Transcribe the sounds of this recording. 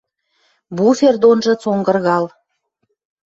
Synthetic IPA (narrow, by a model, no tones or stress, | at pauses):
buferd̪onʒə̆t͡soŋɡərɣɑl